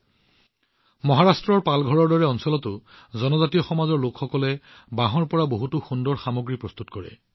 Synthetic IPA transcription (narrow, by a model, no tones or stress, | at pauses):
mɔɦaɹastɹɔɹpalɡʱɔɹɔɹdɔɹɛɔnsɔlɔtʊ | zɔnɔzatijɔxɔmazɔɹlokxɔkɔlɛ | baɦɔɹpɔɹaboɦutuxundɔɹxamoɡɹipɹɔst̪utkɔɹɛ̰